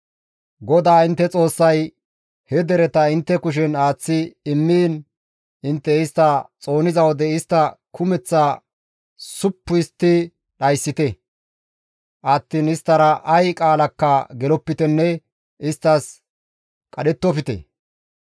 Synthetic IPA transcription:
ɡɔd̪aːɪnt̪ːɛt͡sʼo̞ːsːɐj | hɛd̪ɛɾɛt̪ɐɪnt̪ːɛkʊʃ̬ɛnaːt͡sːɪɪmːiːn | ɪnt̪ːɛɪst̪ːɐt͡sʼo̞ːnɪzɐwɔd̪ɛɪst̪ːɐkʰʊmɛt͡sːaː | sʊpːʊɪst̪ːɪ | ɗɐjsːɪt̪ɛ | ʔɐt̪ːiːnɪst̪ːɐɾɐʔɐjkʼaːlɐkːɐɡɛlɔpːɪt̪ɛnːɛ | ɪst̪ːɐs | kʼɐɗɛt̪ːɔfɪt̪ɛ̰

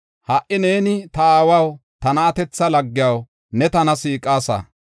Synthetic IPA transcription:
hɐʔɪne̞ːnɪt̪ɐaːwɐwt̪ɐnɐːt̪ɛt͡sːɐlɐɡːɪjɐw | nɛt̪ɐnɐsiːkʼːaːsɐ̰

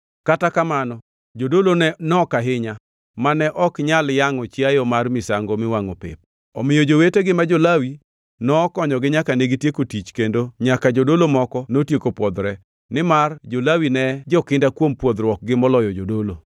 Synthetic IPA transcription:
katakamanɔ | d͡ʒodolonɛnɔkaɦɪɲa | manɛʔɔkɲaljaŋɔt͡ʃjajɔmarmɪsaŋɡomɪwaŋo̰pɪ̰p̚ | ɔmɪjod͡ʒoweteɡɪmad͡ʒolawi | nɔːkɔɲɔɡɪɲakaneɡitjekotit͡ʃkendoɲakad͡ʒodolomɔkɔnotjekopwɔd̪ɾɛ | nɪmard͡ʒolawinɛd͡ʒɔkɪndakwompwɔd̪ɾwɔk̚ɡɪmɔlɔjɔd͡ʒodolo

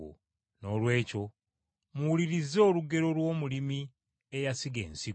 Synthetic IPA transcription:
o̰ | no̞ːlwe̞ːco̞ | muwuliɾizo̞ːluɡe̞ɾo̞lwo̞ːmulimi | ejasiɡe̞̰ːnsi

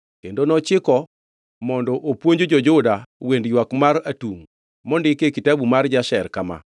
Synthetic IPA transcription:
kendonɔt͡ʃɪkɔ | mɔndɔʔopwoɲd͡ʒod͡ʒɔd͡ʒʊdawendjwakmaɾatuŋ | mɔndɪkekitabumard͡ʒaʃɛrkama̰

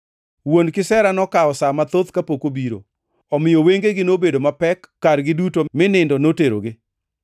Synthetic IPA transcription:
wonkɪsɛɾanɔkaɔsamat̪ot̪kapokobiɾo̰ | ɔmɪjoweŋɡeɡɪnobedomapɛkːaɾɡɪdutomɪnɪndɔnoteɾo̰ɡɪ

